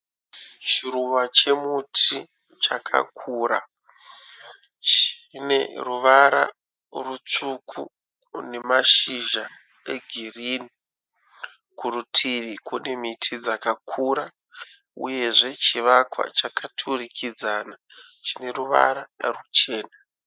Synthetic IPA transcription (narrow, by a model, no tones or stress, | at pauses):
t͡ʃiɾumat͡ʃe̞mutʰi | t͡ʃakʰa̰kʰuːɾa̰ | t͡ʃne̞̰ruʋaɾa̰ | rut͡sukʰṵ | ne̞maʃiʒa | e̞ɡʱiriːni | kurutʰiʋikune̞mitʰid͡zakakʰuɾa | ṵje̞ʐe̞t͡ʃiʋakwa̰t͡ʃakʰatʰurikʰid͡zaːna | t͡ʃi̥ne̞ruʋa̰ɾaarut͡ʃe̞ːna